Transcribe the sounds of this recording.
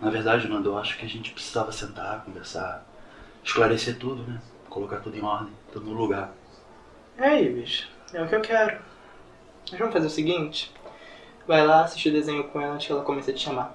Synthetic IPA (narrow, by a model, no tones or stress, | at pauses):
nɐveɾd̪ad͡ʒɪmɐ̃nd̪ɐewaʃʊ̥kɪaʒẽnt͡ʃɪ̥pɾɪ̥si̥zavɐsẽnt̪akõveɾsa | ɪʃklaɾeset̪ud̪ʊnɛ | kolokat̪ud̪ʊẽɔɾd̪ẽj̃t̪ud̪ʊnʊluɡaɾ | ɛaiviʃɐ̥ | ɛʊkɪewkɛɾʊ | mɐʒvɐ̃mʊfazeɾʊsɪɡĩt͡ʃɪ̥ | vajlaasiʃt͡ʃid̪ezẽɲʊkõelɐ̃t͡ʃɪɛlakõmesed͡ʒɪʃama